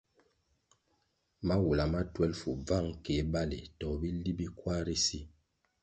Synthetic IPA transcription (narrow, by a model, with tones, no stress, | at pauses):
ma˦wu˨la˨ma˦twɛ˦lfu˨b͡va˦˨ŋke˨˦ba˦lḭ˨tɔ˨bi˦li˦bi˦kwa˦ɾi˦si˦